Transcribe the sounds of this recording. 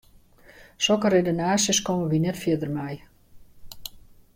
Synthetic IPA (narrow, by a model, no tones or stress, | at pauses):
sɔkəredonaːsjəskɔməʋinɛtfjədərmɛj